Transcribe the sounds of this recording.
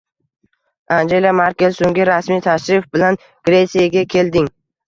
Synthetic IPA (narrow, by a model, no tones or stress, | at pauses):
and͡ʒe̞lʲamaɾkʲelsoŋɡʲɪɾasmit̪ʰaʃɾɪfbɪlan | ɡ̥ɾe̞t̪sijaɡʲakʲʰe̞ld̪ɪŋ